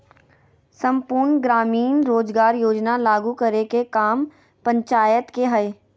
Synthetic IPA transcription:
sə̃mpuːɾnɡɾaːmiːnɾoːd͡ʒɡaːɾjoːd͡ʒnalaːɡukəɾekekaːm | pə̃ɲt͡ʃaːjət̪keɦəe

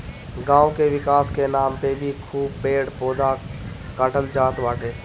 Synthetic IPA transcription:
ɡãːwkeʋɪkaːskenaːmt̪ebʱikʰuːb̚peːɽpoːd̪a | kaːʈəld͡ʒaːt̪ʋaːʈʰeː

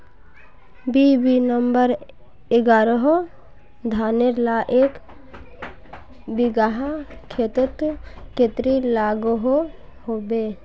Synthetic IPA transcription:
bibinəmbəɾ | ɪɡaːɾəɦo | d̪ʱaːneɾlaʔeːk | biɡaɦakʰet̪ət̪ket̪ɾilaːɡuɦohobe

